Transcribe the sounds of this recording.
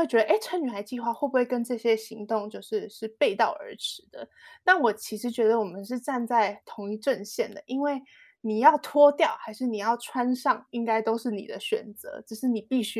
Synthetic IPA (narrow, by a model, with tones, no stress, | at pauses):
wt͡ɕɥɛ˧˥d̪ə˧ʔe˥ɪʈ͡ʂʰə˧˥ny˨˩xa˧˥ɪt͡ɕi˥˧xwa˥˧xwbu˧˥we˥˩ɪkə˦nʈ͡ʂɤ˥˩ɕjɛ˥ɕi˧˥ŋt̪ʊ˥˧ŋt͡ɕjo˥˧ʊʂɻ̩˥˧ʂɻ̩˥˧pe˥˧ɪt̪ɑ˥˩ʊə̰˞˧˥ʈ͡ʂʰɻ̩˧˥˦d̪̥ə˧˨na˥˩wɔ˨˩t͡ɕʰi˧˥ʂɻ̩˧˥t͡ɕɥɛ˧˥d̪ə˧wɔ˨˩mə˦nʂ̬ɻ̩˥˧ʈ͡ʂa˥˧nt͡sa˥˩ɪt̪ʰo˧˥ŋi˥˧ʈ͡ʂə˥˧nɕjɛ˥˩nd̪ə̰˩ʔi˥nwe˥˩ɪ | ni˨˩jɑ˥˩ʊt̪ʰwɔ˥t̪jɑ˥˩ʊxa˧˥ɪʂɻ̩˥˩ni˨˩jɑ˥˩ʊʈ͡ʂʰwa˦nʂɑ˥˩ŋi˥ŋka˥ɪt̪o˥ʊʂɻ̩˥˩nḭ˨˩d̪ə˦ɕɥɛ̰˨˩nt͡sɤ̰˧˥˦ʈ͡ʂ̩˨˩ʂɻ̩˥˩ni˨˩pi˥˧ɕy˥